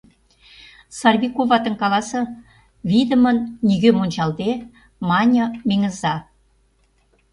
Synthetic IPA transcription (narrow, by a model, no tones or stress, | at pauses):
sɑrβʲikovɑt̪ə̆ŋkɑlɑsɤ̆ | vʲid̪ə̆mə̆nːʲiɣømunʲt͡ɕɑlˠd̪e | mɑnʲomʲeŋə̆zɑ